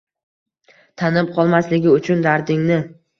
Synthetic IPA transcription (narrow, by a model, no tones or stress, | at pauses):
t̪ʰanɪp̚qʰɒlˠmaslɪɡʲɪʊt͡ʃʰʊnd̪aɾd̪ɪŋnɪ